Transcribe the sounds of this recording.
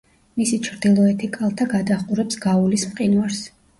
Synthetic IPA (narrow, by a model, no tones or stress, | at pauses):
misit͡ʃʰɾd̪̥ilˠɔɛt̪ʰikʼalˠt̪ʰaɡad̪aχqʼuɾɛpsɡaulismqʼinwaɾs